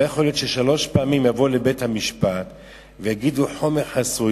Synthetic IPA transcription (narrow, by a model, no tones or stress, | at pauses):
jaχoljot̪ʃeʃalo̞ʃpeamimjavolebe̞thamiʃpat | vejaɡiduħo̞meχhasu